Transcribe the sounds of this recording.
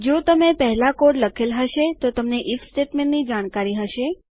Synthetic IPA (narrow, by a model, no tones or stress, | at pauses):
d͡ʒot̪əmepəɦlakoɽləkʰelɦəʃet̪ot̪əmneʔifsʈeʈmenːid͡ʒaɽ̃kaɾiɦəʃe